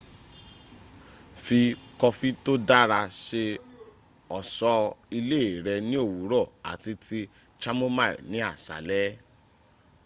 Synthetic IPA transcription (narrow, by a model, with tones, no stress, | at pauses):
fi˧kɔ˧fi˦to˦da˦ɾa˧ʃe˧ | ɔ˨sɔ˧i˧le˦˨ɾɛ˧nĩ˦o˦˨wu˨˦ɾɔ˦˨a̰˨ti˧ti˧ | t͡ʃa˦mo˦ma̰˦˨nĩ˨˦a˦˨sa̰˨˦lɛ˦